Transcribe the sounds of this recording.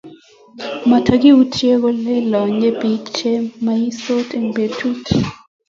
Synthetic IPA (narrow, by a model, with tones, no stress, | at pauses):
ma˨tʰak̬i˦u˦tʰjɛ˦k̬ɔ˦lɛ˦lɔ˨ɲɛ˦bi˨kt͡ʃʰɛ˦ma˨ji˦so˦tʼɛ˨ŋbe˨tʰu˦tʰi̥